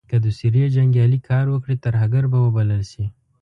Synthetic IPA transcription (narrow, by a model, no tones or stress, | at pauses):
kad̪usiɾijad͡ʒaŋɡjɑlikʰɑːɾwəkɽit̪aɾɦaɡaɾbawəbaləlʃi